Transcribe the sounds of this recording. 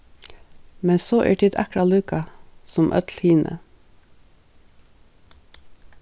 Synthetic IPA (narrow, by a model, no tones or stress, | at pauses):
mɛnsoːʔḭːʈʰɪd̪ækɽɑlʉːkɑsɔmʔœ̰t̪lhiːnʔə̰